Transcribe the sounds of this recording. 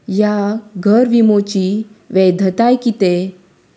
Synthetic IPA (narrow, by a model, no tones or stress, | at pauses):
jaɡʱəɾʋimot͡ɕiʋɛd̪ʱət̪ajkit̪e